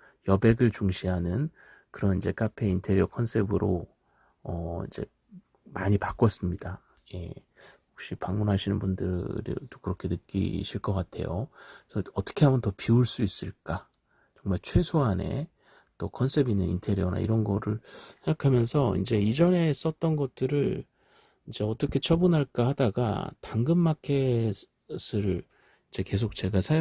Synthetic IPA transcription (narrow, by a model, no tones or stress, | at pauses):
jʌbe̞ɡɯɭt͡ɕuŋɕʰiɦanɯn | kɯɾʌnid͡ʑe̞kapʰe̞intʰe̞ɾjokʰʌnsʰe̞bɯɾo | ʌḭnd͡ʑe̞̰ | maɲipak͈ʌs͈ɯmɲida | je̞̰ | hok̚ɕ͈ipaŋmunɦaɕʰinɯnbundɯ̰ɾḭdokɯɾʌkʰe̞nɯk͈ḭɕʰiɭk͈ʌk͈atʰe̞̰josʰʌʌt͈ʌ̥kʰe̞ɦabʌntʌpiuɭs͈uis͈ɯɭk͈a | t͡ɕʌŋmaɭt͡ɕʰwe̞sʰoɦane̞̰ | t͈okʰʌnsʰe̞binenḭntʰeɾjona̰ḭɾʌnɡʌɾɯɭsʰeŋɡakʰamjʌnsʰʌḭnd͡ʑe̞id͡ʑʌne̞s͈ʌt͈̚ʌnɡʌt̚t͈ɯɾɯɭ | ind͡ʑe̞ʌt͈ʌkʰe̞t͡ɕʰʌbunɦaɭk͈ahadaɡa̰taŋɡɯnmakʰe̞ | s͈ʰɯɾɯ | ind͡ʑe̞ke̞s̬ʰok̚t͡ɕe̞ɡasʰa